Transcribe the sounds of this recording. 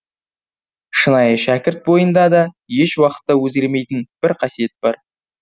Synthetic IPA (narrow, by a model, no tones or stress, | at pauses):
ʃənɑjəʃækʲɪɾt̪̚bo̞jənd̪ɑd̪ɑ | je̞ʃwɑqə̥t̪ːɑwɵzɡʲe̞ɾme̞jt̪ɪnb̥ɪɾqʰɑsije̞t̪̚b̥ɑɾ